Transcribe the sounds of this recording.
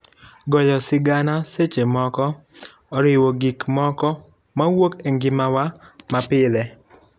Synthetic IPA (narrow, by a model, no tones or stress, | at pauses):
ɡɔjɔsɪɡanaset͡ʃemɔkɔː | ɾɪwɔɡikmɔkɔ | mawokeŋɡɪmawamapɪlɛ